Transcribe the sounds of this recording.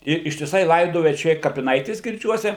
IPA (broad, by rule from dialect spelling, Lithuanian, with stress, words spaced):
ɪr ɪʃʲtʲɪˈsɐɪ ˈlˠɐɪdoːjɛ t͡ʃʲɛ ˈɪr kɐpʲɪˈnɐɪtʲeːs ɡʲɪrʲˈd͡ʒʲuɔsʲɛ